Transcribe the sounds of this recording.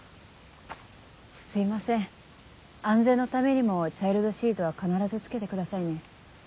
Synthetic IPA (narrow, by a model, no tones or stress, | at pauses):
sɨimasẽ̞ɴ | ãnd͡ze̞nːo̞t̪ame̞ɲ̟imo̞t͡ɕaiɾɯd̪oɕiːt̪o̞βakanaɾazɨt͡sɨ̥ke̞t̪e̞kɯ̟d̪asaine̞